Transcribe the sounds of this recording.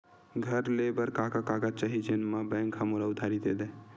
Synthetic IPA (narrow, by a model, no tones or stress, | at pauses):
ɡʱəɾlebəɾkakakaɡat͡ʃaɦid͡ʒenmãbɛ̃ŋkɦəmoɾaʊd̪ʱaɾid̪ed̪e